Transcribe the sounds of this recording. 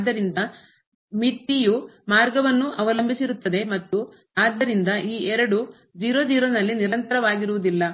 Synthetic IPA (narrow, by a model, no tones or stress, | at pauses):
d̪ːɐɾind̪ɐ | mit̪ːijumaːɾɡɐʋɐnːuʔɐʋɐlɐmbisiɾut̪ːɐd̪e̞mɐt̪ːu | aːd̪ːɐɾind̪ɐʔiːɛɾɐɽu | d͡ʒiːɾod͡ʒiːɾonɐlːiniɾɐnt̪ɐɾɐʋaːɡiɾuʋud̪ilːɐ